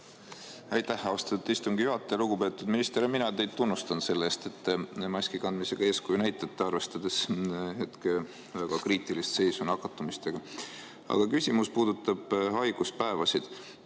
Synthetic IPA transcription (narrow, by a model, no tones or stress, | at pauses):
ɑjt̪ːæhɑost̪ɑ̥t̪ːut̪ːist̪uŋɡijuɦɑt̪ːˑeluɡ̥upe̞ːt̪ːˑud̪̥minist̪eɾeminɑt̪e̞jd̪̚t̪unːust̪ɑnse̞lːeːst̪e̞t̪ːmɑsʲkikɑnd̪mise̞ɡ̥ɑeːskujunæjt̪ːˑɑt̪ːeɑrve̞st̪ɑd̪̥e̞she̞t̪ke | væɡ̥ɑkriːt̪ˑilist̪se̞jsunɑkːˑɑt̪ːˑumist̪e̞ɡ̥ɑ | ɑ̰ɡ̥ɑkysʲimuspuːd̪ut̪ːˑɑb̥ɦɑjɡ̥uspæevɑsid̪̥